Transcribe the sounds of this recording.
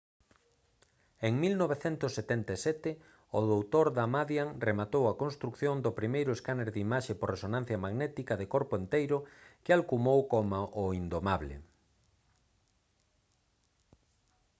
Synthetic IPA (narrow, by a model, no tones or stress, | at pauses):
eŋmilnoβeθɛnt̪ʊsːet̪ɛnt̪asɛt̪ɪ | ʊðowt̪oɾðamaðjaŋremat̪owɐkõnst̪ɾukθjond̪ʊpɾimejɾʊeskaneɾðimaʃeporresonãn̟θjɐmaɣnɛt̪ikɐðekoɾpʊent̪ejɾʊkɪalkumowkomaʔʊind̪omaβlɪ̰